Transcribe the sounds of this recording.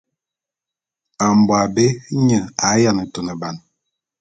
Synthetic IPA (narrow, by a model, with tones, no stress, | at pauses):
a˨m˨bwa˨be˦ɲə˨a˨˦ja˦˨nə˨to˨nə˨ba˨n